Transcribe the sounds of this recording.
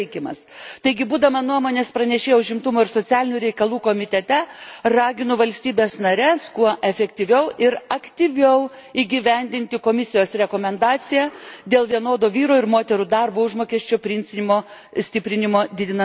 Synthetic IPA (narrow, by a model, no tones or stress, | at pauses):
ɪkʲɪmɐ̰st̪ɐɪɡʲɪbuːd̪ɐʋɐnuɔmoːnʲeːspɾɐnʲɛʃʲeːjɛʊʒʲɪmt̪ʊmoːɪɾsoːtt͡s̪ʲæːlʲɪnʲuːɾʲɛɪkɐlˠuːkoːmʲɪt̪ʲɛt̪ʲɛrɑːɡʲɪnʊʋɐlʲsʲt̪ʲiːbʲeːsnɐɾʲɛskuɔʔɛfʲɛkt̪ʲiʋʲɛʊʔɪɾɐkt̪ʲiʋʲɛʊ | iːɡʲiʋʲɛnʲd̪ʲɪnʲt̪ʲɪkoːmʲɪsʲɪjoːsɾʲɛkoːmʲɛnd̪ɑːt̪sʲɪjæd̪ʲeːlˠʋʲiɛnoːd̪oːʋʲiːɾoːɪɾmoːt̪ʲɛɾud̪ɐrboːʊʒmoːkʲɛʃʲt͡ʃʲoːpʲɾʲɪnʲsʲɪnʲɪmoː | sʲt̪ʲɪpʲɾʲɪnʲɪmoːd̪ʲɪd̪ʲɪnɐ